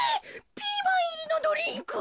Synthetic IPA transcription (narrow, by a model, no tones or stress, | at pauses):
pʲiːbɯiinod̪oɾʲĩŋkɯ